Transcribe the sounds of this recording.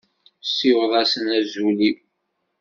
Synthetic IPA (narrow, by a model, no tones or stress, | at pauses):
siwðˤæsənæzuli